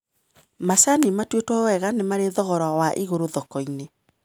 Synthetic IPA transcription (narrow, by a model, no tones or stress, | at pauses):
masanimatwetwawɛɣanemaɾeðɔɣɔɾawaʔiɣoɾoðɔkɔine